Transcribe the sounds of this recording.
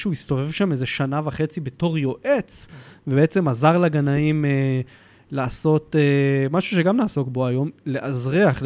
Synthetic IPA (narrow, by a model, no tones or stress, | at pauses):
ʃuisto̞ve̞vʃamezeʃanavaχe̞t͡sibe̞to̞ʁjo̞ʔe̞t͡svebeet͡se̞mazaʁlaɡanaime | laːso̞temaʃuʃe̞ɡamnaːso̞kbo̞ajo̞mle̞ʔazʁiaχ